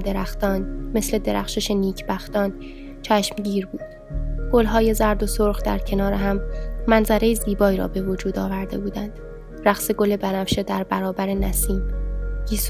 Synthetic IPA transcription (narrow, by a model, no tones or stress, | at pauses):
d̪eɾæxt̪ɒːnme̞sle̞d̪e̞ɾæ̰χʃeʃeniːcʰbæxt̪ɒːn | t͡ʃʰæʃmɟiːɾbuːd̪̥ | ɡ̥olɦɒːje̞zæɾd̪o̞soɾɣd̪æ̰ɾcʰe̞nɒːɾeɦæmːænzæɾejeziːbɒːiɾɒ̰ːbe̞vod͡ʒuːd̪ɒːvæɾd̪e̞̰buːd̪ænd̪̥ | ɾæɣseɡo̞le̞bænæfʃed̪æɾbæɾɒːbæɾe̞næsiːmɡiːs